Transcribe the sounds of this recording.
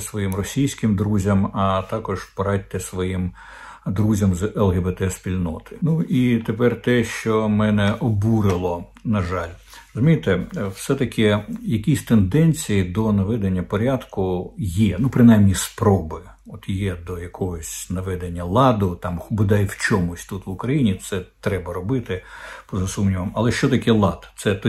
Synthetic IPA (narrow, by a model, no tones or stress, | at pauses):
sʋɔjimrɔsʲijsʲkɪmd̪ɾuzʲɐmɐt̪ɑkɔʒpɐɾɑtʲt̪ːɪsʋɔjim | d̪ɾuzʲɐmzɛlˠɣɛbet̪ɛspʲilʲnɔt̪ɪ̥nuit̪epɛrt̪ɛʃt͡ʃɔmɛnɛʔɔbuɾɪlˠɔnɐʒɑlʲ | ɾɔzʊmʲijt̪ɛwsɛt̪ɐkʲʰɪjɐkʲisʲt̪end̪ɛnʲt͡sʲijid̪ɔnɐʋɛd̪enʲːɐpɔɾʲad̪kʊjɛnupɾɪnajmnʲispɾɔbɪ | ɔt̪jɛd̪ɔjɐkʰɔɦɔsʲnɐʋɛd̪enʲːɐlˠɑd̪ʊt̪ɑmhʊbɪd̪ɑjwt͡ʃɔmʊsʲt̪ut̪ʋʊkɾɐjinʲit̪sɛt̪ɾɛbɐɾɔbɪt̪ɪpɔzɐsumnʲiʋɐmɐlˠɛʃt͡ʃɔt̪ɐkʲɛlˠɑd̪t̪sɛt̪